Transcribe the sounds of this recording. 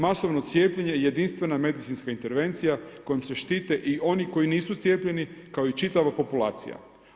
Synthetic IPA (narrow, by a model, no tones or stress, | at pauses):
masoʋnot̪sje̞ːpʎeɲeje̞d̪inst̪ʋe̞name̞d̪it̪sinskaint̪e̞ɾʋe̞nt̪sijako̞jimse̞ʃt̪iːt̪e̞ʔio̞niko̞jiniːsut̪sjeːpʎe̞nikao̞it͡ʃit̪aʋapo̞pula̰ːt̪sḭja̰